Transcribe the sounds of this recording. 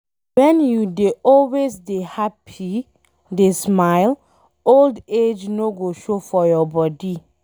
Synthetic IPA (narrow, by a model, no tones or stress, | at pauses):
wɛ̃njudeʔɔlwesdehapʰi | desmaɪl | olded͡ʒnoɡoʃofɔjɔbɔdi